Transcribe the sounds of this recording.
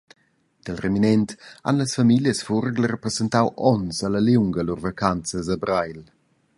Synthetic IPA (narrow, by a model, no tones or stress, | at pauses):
d̪̥əlreminɛnt̪a̰nləsfamiljəsfurɡlərəprezɛnt̪awʔɔnsalaljuŋɡəlurvakant͡səzabɾajl